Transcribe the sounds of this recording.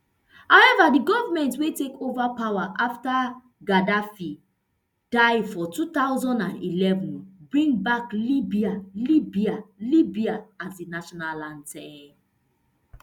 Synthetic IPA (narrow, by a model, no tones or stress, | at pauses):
hawɛvadiɡɔvamɛ̃ntwetekovapawaʔafta | ɡadafi | d̥aɪfɔtut̪aʊzɔ̃ndãnilɛvũnbɹĩŋɡbaklibialibialibiaasdinaʃɔnalãndtʰɛn